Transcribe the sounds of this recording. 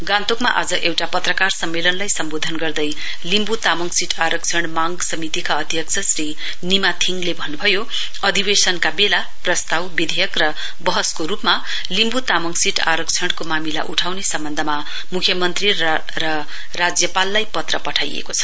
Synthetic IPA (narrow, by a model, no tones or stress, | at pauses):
ɡãnt̪okmaʔad͡zʌʔewʈapʌt̪rʌkarsʌmːelʌnlajsʌmbod̪ʱʌnɡʌrd̪ʌj | limbut̪amʌŋsiʈʰaɾʌkt͡sʰʌɽ̃maŋɡsʌmit̪ikaʌd̪ʱjʌk̚t͡sʰʌsri | nimat̪ʰiŋɡlebʱʌnːubʱʌjo | ʌd̪ʱibesʌnkabela | prʌst̪awbid̪ʱejʌkrʌ | bʌɦʌskoɾupma | limbut̪amʌŋsiʈaɾʌkt͡sʰʌɽkomamila̰ʔuʈʰawnesʌmbʌnd̪ʱʌma | mukʰjʌmʌnt̪ri | rʌ | rad͡zjʌpalːajpʌt̪rʌpʌʈʰajḛkot͡sʰʌ̥